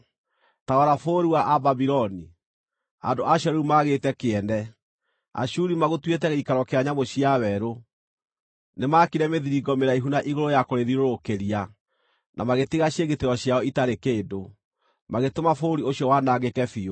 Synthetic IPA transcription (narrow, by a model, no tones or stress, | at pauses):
taɣɔɾafoːɾiwaʔababiɾɔni | a̰ndoaɕɔɾeumaɣetɛkeɛnɛ | a̰ɕuɾimaɣotwetɛɣeikaɾɔkeaɲamoɕiawɛɾo | nemakiɾɛmeðiɾiɡɔmeɾaiɦunaʔiɣoɾojakoɾeðiɾoɾokeɾia | nʔamaɣetiɣaɕjeɣeteɾɔɕjaɔitaɾekeːdo | maɣetomafoɾioɕijɔwanaɡekɛfio